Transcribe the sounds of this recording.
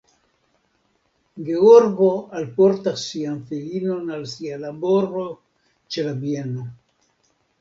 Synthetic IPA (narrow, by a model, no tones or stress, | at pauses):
ɡeoɾɡoalpoɾt̪asianfelinonalsialaboɾo | t͡ʃelabjeno